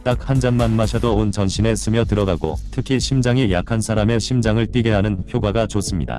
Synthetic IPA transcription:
t͈ak̚hand͡ʑanmanmaɕʰʌdoont͡ɕʌnɕʰine̞sʰɯmjʌtɯɾʌɡaɡo̰tʰɯkʰiɕʰimd͡ʑaŋija̰kʰansʰaɾame̞ɕʰimd͡ʑaŋɯɭt͈iɡe̞ɦanɯnçjoɡaɡat͡ɕos͈ɯmɲida̰

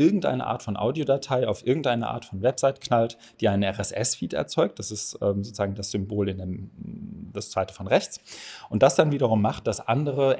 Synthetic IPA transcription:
ʔɪɐɡŋ̩tʔa̰ɪnə̰ʔa̰ːtfɔnʔa̰ʊdijodatʰaɪaʊfʔɪɐɡŋ̩tʔaɪnəʔa̰ːɐtfɔnvɛpz̥aɪtkʰnalt | d̥iːʔaɪnənɛʁɛsʔɛsfiːtɛ̰ɐt͡sɔʏk̚t̚d̥asɪstʔɛːmzoːt͡suz̥aːŋ̩dasz̥ʏmboːlɪndeːm | d̥ast͡sv̥aɪtə̥fɔnʁɛçt͡sʔʊntd̥asd̥anviːɾɐʁ̞ʊmːaχt̚d̥asʔandəʁə

